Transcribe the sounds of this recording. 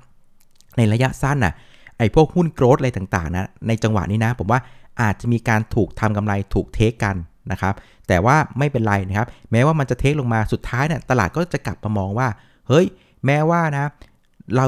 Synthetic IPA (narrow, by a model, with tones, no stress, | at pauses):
na˧jɾa˧ja˦˥ʔsa˥˩nʔa̰˨˩ | ʔa˧˩jpʰu˥˩ək̚hu˥˩nkɾoː˦˥t̪̚ʔt̪aː˨˩ŋt̪a̰ː˨˩ŋna˦˥na˧jt͡ɕa˧ŋwa̰˨˩niː˦˥na˦˥pʰo˩˦mwaː˥˩ʔaː˨˩t̪̚t͡ɕa˨˩ʔmiː˧kaː˧nt̪ʰuː˨˩k̚t̪ʰa˧mka˧mla˧jt̪ʰuː˨˩k̚t̪ʰeː˦˥kːa˧nːa˦˥kʰa˦˥p̚ | t̪ɛː˨˩waː˥˩ma˥˩jpe˧nɾa˧jna˦˥kʰa˦˥p̚mɛː˦˥waː˥˩ma˧nt͡ɕa˨˩t̪ʰeː˦˥k̚lo˧ŋmaː˧su˨˩t̪ʰːaː˦˥jni˦˥˩ɐt̪a˧laː˨˩t̪̚kɔː˥˩t͡ɕa˨˩kla˨˩p̚maː˧mɔː˧ŋwaː˥˩ | hɤ˦˥j | mɛː˦˥waː˥˩na˦˥ | ɾa˧